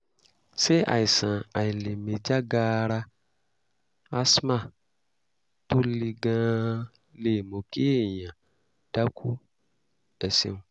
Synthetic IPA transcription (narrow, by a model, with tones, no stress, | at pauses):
se˦a̰˨i˨sã˨a˨i˨le˨me˨d͡ʒa˦ɡaː˦ɾa˧ | a˦smã˦˨ | t̪u˦li˧ɡã˦ | le˨mo˨ke˦˨jã˨ | d̥a˦kʰu˦ | ɛ˨sḛ˦nũ˨